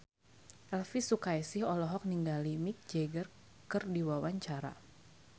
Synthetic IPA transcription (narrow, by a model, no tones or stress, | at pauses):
ʔɛlfisukajsɪhɔlɔɦɔk̚niŋɡalimik̚d͡ʒɛɡər | kɨrdiwawaɲt͡ʃaɾa̰